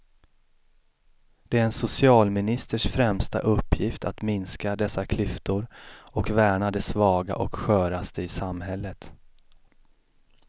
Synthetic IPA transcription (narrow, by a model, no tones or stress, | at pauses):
d̪̥ɛæɾɛnsʊsɪɑːlmɪnɪst̪əʂfɾɛmst̪a̰ʔɵpːjɪft̪ʰat̪mɪnskad̪ɛsːakʰlʏft̪ʊɾɔkvæːɳad̪ɛsvɑːɡa̰ʔɔkɧœːɾast̪əɪsamːɦɛlːət̪